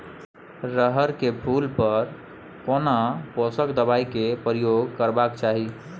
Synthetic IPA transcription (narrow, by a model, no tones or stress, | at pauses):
ɾəɦəɾkebʰʱulpəɾ | konaposəkd̪əbajkepɾijoɡkəɾbakt͡ʃaɦi